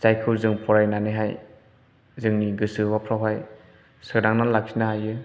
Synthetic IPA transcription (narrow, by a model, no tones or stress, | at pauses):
zajkʰɯwzɯŋpʰɔɾajnanɯɦaj | zɯŋniɡɯsɯbapʰɾawɦaj | sɯdaŋnalak̚sinahajɯ